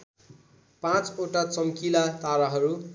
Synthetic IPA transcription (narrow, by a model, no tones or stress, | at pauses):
pãt͡soʈat͡sʌmkilat̪aɾʌɦʌɾu